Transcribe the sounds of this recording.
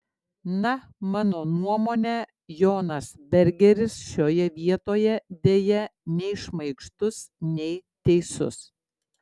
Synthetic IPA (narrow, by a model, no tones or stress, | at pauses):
nɐ | mɑːnoːnuɔmoːnʲɛ | joːnɐsbʲɛɾʲɡʲɛɾʲɪsʃʲoːjɛʋʲiɛt̪oːjɛd̪ʲeːjɛnʲɛɪʃmɐɪkʃt̪ʊsnʲɛɪt̪ʲɛɪsʊ̰s